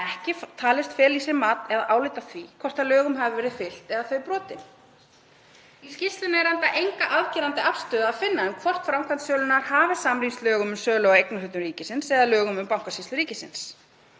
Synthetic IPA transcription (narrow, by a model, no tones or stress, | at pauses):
ɛhcɪt̪ʰaːlɪst̪fɛːlisɛɾmaːt̪ɛðaʔaːwlɪːt̪aθvikʰvɔr̥t̪ʰalœːɣʏmɦavɪvɛːɾɪðfɪl̥t̪ɛðaθœɥpɾɔːt̪ɪn | iscist̪lʏnaɛɾhant̪aʔejŋkaʔaðcɛːɾant̪ɪafst̪œːðaaːðfɪnːaʏmkʰvɔr̥t̪fɾamkʰant̪sœːlʏnaɾ̥haːvɪsamɾinst̪lœːɣʏmʏmsœːɣlɔɣaejknʏhʏt̪ʏmɾiːcɪsɪnsɛðalœːɣʏmʏmpawŋ̥kasist̪ʏɾiːcɪsɪ̰ns